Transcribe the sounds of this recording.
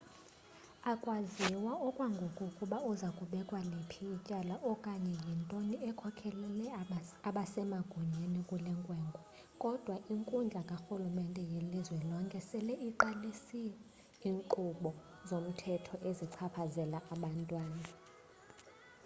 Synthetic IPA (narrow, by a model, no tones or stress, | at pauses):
akʼwaziwaɔkʼwaŋɡʱokʼukʼuɓauzakʼuɓɛkʼwanepʰijicʼalaʔɔkʼaɲɛjintʼoniɛkʰɔkʰɛlɛlɛaɓasɛmaɡ̥ʱuɲenikʼulɛŋkʼwɛːŋɡʱɔ | kʼɔd̥ʱwaʔiŋkʼund͡ɮʱakʼaxulumɛntʼɛjelizwɛlɔŋkʼɛsɛlɛiǃalisi | iːŋǃuɓɔ | zom̩tʰɛtʰɔʔeziǀʰapʰazɛlaʔaɓantʼwaːna